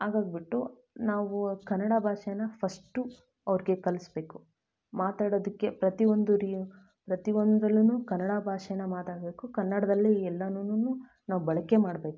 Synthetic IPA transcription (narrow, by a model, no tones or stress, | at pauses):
aːɡaːɡ̚biʈːu | naːʋukɐnːɐɽɐbʱaːʂɛjɐnɐpʰɐsʈu | ɐʋɾiɡe̞kɐlisbe̞ːku | maːt̪aːɽoːd̪ikːe̞pɾɐt̪iʋo̞nd̪uɾi | pɾɐt̪iʋond̪ɾɐlːunuːkɐnːɐɽabʱaːʂɛjɐnːɐmaːt̪aːɽbe̞ːkukɐnːɐɽɐd̪ɐlːiɛlːɐnunuːnuː | naːʋubɐɭɐkemaːɽbe̞ːku